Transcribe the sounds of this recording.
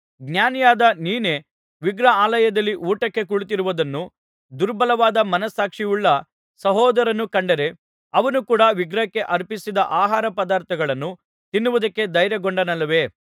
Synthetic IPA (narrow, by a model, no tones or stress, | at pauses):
ɡnjaːnijaːd̪ɐniːne̞ | ʋiɡɾɐaːlɐjɐd̪ɐlːiʔuːʈɐkːe̞kuɭut̪iɾuʋɐd̪ɐnːu | d̪uɾbɐlɐʋaːd̪ɐmɐnɐsːaːkʂijuɭːɐ | sɐɦɔːd̪ɐɾɐnːukɐɳɖɐɾe̞ | ɐʋɐnukuːɽɐʋiɡɾɐkːe̞ʔɐɾpisid̪ɐʔaːɦaːɾɐpɐd̪aːɾt̪ʰɐɡɐɭɐnːu | t̪inːuʋud̪ɐkːe̞d̪ɐjɾjɐɡoɳɖɐnɐlːɐʋe̞ː